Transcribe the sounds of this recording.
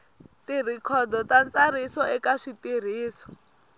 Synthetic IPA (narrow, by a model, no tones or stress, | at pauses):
tir̤ikʰɔdɔtant͡saɾ̤isɔɛkaʂitir̤iːsɔ̥